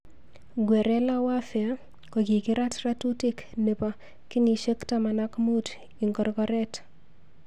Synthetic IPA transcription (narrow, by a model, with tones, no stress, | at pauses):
ɡwɛ˨ɾɛ˦la˦wa˦fja˦ | ko˨ki˨kɪ˦ɾa˦tɾa˦tu˦tɪ˦kne˨pa˨ | kɪ˦ni˨ʃe˦kta˨ma˨na˦kmu˦t | ɪ˨ŋɡɔ˨ɾkɔ˦ɾɛ˦t